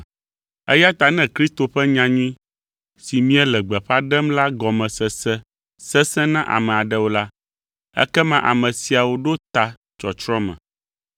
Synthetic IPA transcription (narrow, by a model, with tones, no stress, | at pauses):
ɛ̰˦ja˦t̪a˨nɛ̃˦kɾi˦st̪o˨ɸɛ˦ɲã˨ɲĩ˦ | si˨mĩ˦ɛ˦lɛ˨ɡ͡bɛ˨ɸa˦ɖɛ˦mla˦ɡɔ˨mɛ̃˨sɛ˨sɛ˦ | sɛ˦sɛ̃˦nã˦ʔa̰˨mɛ̃˨a˨ɖɛ˦wo˦la˦ | ɛ̰˦kɛ˦mã˦ʔa˨mɛ̃˨si˨a˨wo˦ɖo˦t̪a˨ | t͡ʃɔ˨t͡ʃɾɔ̃˦mɛ̰̃˨